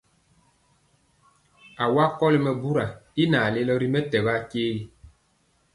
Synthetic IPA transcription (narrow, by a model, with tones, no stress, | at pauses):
a˨wa˦kɔ˦li˨mɛ˨bu˦ɾa˨i˦na˨le˦lɔ˦ɾi˦mɛ˦tɛ˨ba˦keː˦ɣi˦